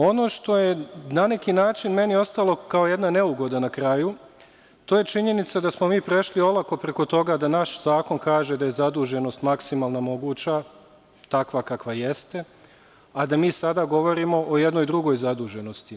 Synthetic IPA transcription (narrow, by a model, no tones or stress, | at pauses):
o̞no̞ːʃt̪o̞je̞nane̞kinaːt͡ʃinme̞nio̞st̪alˠo̞kao̞je̞d̪nane̞uɡo̞d̪anakɾaju | t̪oːje̞t͡ʃiɲe̞nit̪sad̪asmo̞miːpɾe̞ʃlio̞lˠako̞pɾeko̞t̪o̞ɡad̪anaʃz̥aːko̞nkaːʒe̞d̪aje̞zad̪uːʒe̞no̞st̪maksimaːlˠnamo̞ɡuːt͡ɕa | t̪akʋakakʋaje̞st̪e̞ | ad̪amiːsad̪aɡo̞ʋo̞ɾimo̞ʔojed̪no̞jd̪ɾuɡo̞jzad̪uːʒe̞no̞st̪i